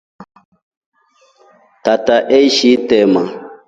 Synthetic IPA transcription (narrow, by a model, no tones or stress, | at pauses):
tataʔeiʃitɛma